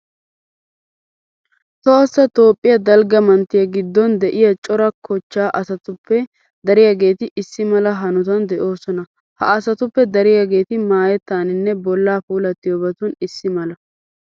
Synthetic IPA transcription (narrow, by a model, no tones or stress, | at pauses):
t̪oɐsːɐt̪o̞ːpʼːɪjɐd̪ɐlɡɐmɐnt̪ːɪjɐɡɪd̪ːɔnd̪ɛʔɪjɐt͡ʃʼɔɾɐkʰɔt͡ʃːaːʔɐsɐt̪ʊpʰːɛ | d̪ɐɾɪjaɡe̞ːt̪ɪʔɪsːɪmɐlɐɦɐnʊt̪̬ɐnd̪ɛʔo̞ːsɔnɐ | hɐ̰ɐsɐt̪ʊpːɛd̪ɐɾɪjaɡe̞ːt̪ɪmaːjɛt̪ːaːnɪnːɛbɔlːaːfuːlɐt̪ːɪjoːbɐt̪ʊnɪsːɪmɐlɐ